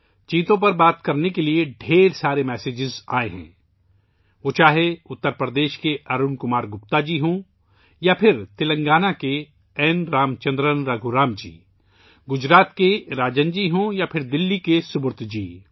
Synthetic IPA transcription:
t͡ʃiːt̪õp̬ɐɾbaːt̪kɐɾnekelieɖʱeːɾsaːɾemɛːseːd͡ʒɪza̰ːeɦɛ̰̃ː | ʋoːt͡ʃaːɦeʊt̪ːəɾpɾəd̪eːʃkeʔɐɾʊnkʊmaːɾɡʊp̚t̪ad͡ʒiːɦõː | japʰɪɾt̪ɪlə̃ŋɡaːnake | ɛːnɾaːmt͡ʃə̃nd̪ɾənɾɐɡʱuɾaːmd͡ʒḭː | ɡʊd͡ʒɾaːt̪keɾaːd͡ʒənd͡ʒiːɦõːjapʰɪɾd̪ɪlːikesʊbʊɾt̪ʰd͡ʒiː

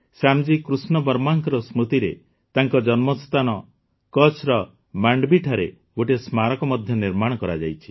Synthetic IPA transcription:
samd͡ʒikɾusnɔbɔɾmaŋkɔɾɔsmut̪iɾe | t̪aŋkɔd͡ʒɔnmɔst̪anɔ | kɔt͡ʃʰɾɔ | maɳɖbiʈʰaɾe | ɡoʈismaɾɔkɔmɔd̪ʱjɔniɾmaɽ̃ɔkɔɾad͡ʒa̰jt͡ʃʰi̥

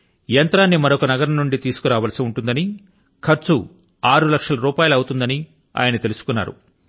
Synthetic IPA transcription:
jɐnt̪ɾaːnːimɐɾokɐnɐɡɐɾɐnːuɳɖit̪iːsu̥kuɾaːʋɐlɐsiuɳʈund̪ɐni | kʰɐɾt͡ʃu | aːɾulɐkʂɐlɐɾuːpaːjɐlɐwut̪und̪ɐni | a̰ːjɐnɐt̪e̞lusu̥kunːa̰ːɾṵ

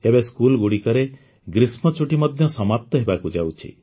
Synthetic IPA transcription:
ebeskulɡuɽikɔɾe | ɡɾismɔt͡ʃuʈimɔd̪ʱjɔsɔmap̚t̪ɔɦebakud͡ʒawt͡ʃʰḭ

